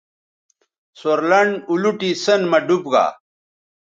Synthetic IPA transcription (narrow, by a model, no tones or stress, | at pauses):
soɾlɐɳɖuluʈisɐnmɐɖubɡa̰ː